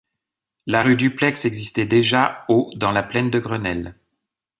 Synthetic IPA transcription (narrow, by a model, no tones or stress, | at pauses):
laʁyd̪yplɛksɛɡzist̪ɛd̪eʒaod̪ɑ̃laplɛnd̪əɡʁənɛl